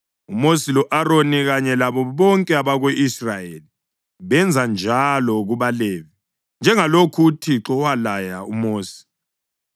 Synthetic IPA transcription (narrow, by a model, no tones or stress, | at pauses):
umosilɔʔaɾoniɣaɲɛlaβɔβɔŋkʼɛaβaɣweʔisrajeːli | βɛnd͡zʱand͡ʒʱalɔɣuβaleːvi | nd͡ʒʱɛŋalokʰutʰiǁɔwalajaumoːsi̥